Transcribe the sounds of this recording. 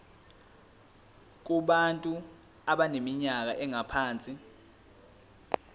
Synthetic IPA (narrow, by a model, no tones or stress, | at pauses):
k̬uɓantʼu | aɓanemiɲak̬aʔɛŋapʰaːnt͡sʼi